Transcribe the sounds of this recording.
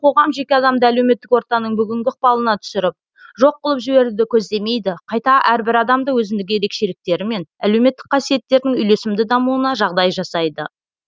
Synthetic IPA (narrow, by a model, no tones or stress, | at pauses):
qʰo̞ʁɑmʒe̞kʲeɑd̪ɑmd̪ɑælewme̞t̪ːɪkwo̞ɾt̪ɑnəɴbʏɡʲɪŋɡʲɪəqpɑlˠənɑt̪ʰʏ̥sɪɾɪp̚ | ʒo̞q̚ːʊlˠəpʒɪbe̞ɾud̪ɪkʲʰɵz̪d̪e̞me̞jd̪ɪqʰɑjt̪ɑʔæɾbɪɾɑd̪ɑmd̪əwɵzɪmd̪ɪɡʲɪjeɾe̞kʃe̞lɪk̚t̪e̞ɾɪme̞næle̞wme̞t̪ːɪ̥k̚qʰɑsije̞t̪ːe̞ɾd̪ɪŋʏjle̞sɪmd̪ɪd̪ɑmuənɑʒɑʁd̪ɑjʒɑsɑjd̪ə